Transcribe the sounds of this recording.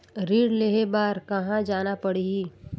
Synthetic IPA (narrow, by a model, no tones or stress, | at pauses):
ɾiːɾleɦebaːɾkɐɦãd͡ʒaːnapəɽiɡi